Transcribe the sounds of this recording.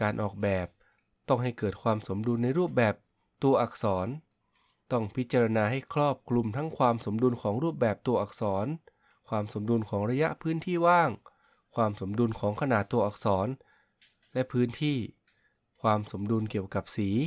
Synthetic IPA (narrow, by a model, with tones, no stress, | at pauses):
kaː˧nʔɔː˨˩k̚bɛː˨˩p̚ | t̪ɔ˥˩ŋɦa˥˩jkɤː˨˩t̪̚kʰwaː˧mso˩˦mdu˧nːa˧jɾuː˥˩p̚bɛː˨˩p̚ | t̪u˧ɐʔa˨˩k̚sɔː˩˦n | t̪ɔ˥˩ŋpʰi˦˥t̪̚t͡ɕa˧ɾa˧naː˧ɦa˥˩jkʰɾɔː˥˩p̚kʰlu˧mt̪ʰa˦˥ŋkʰwaː˧mso˩˦mdu˧nkʰɔː˩˦ŋɾuː˥˩p̬̚bɛː˨˩p̚t̪u˧ɐʔa˨˩k̚sɔː˩˦n | kʰwaː˧mso˩˦mdu˧nkʰɔː˩˦ŋɾa˧ja˦˥ʔpʰɯː˦˥nt̪ʰiː˥˩waː˥˩ŋ | kʰwaː˧mso˩˦mdu˧nkʰɔː˩˦ŋkʰa˧naː˨˩t̪ːu˧ɐʔa˨˩k̚sɔː˩˦n | lɛ˦˥ʔpʰɯː˦˥nt̪ʰiː˥˩ | kʰwaː˧mso˩˦mdu˧nkiː˨˩əwka˨˩p̚siː˩˦